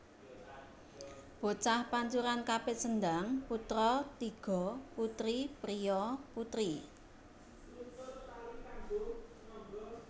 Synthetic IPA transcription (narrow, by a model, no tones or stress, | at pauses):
b̥o̤t͡ʃahpaɲt͡ʃuɾankapɪtsənd̪aŋput̪ɾɔt̪iɡ̥ɔ̤put̪ɾipɾijɔput̪ɾi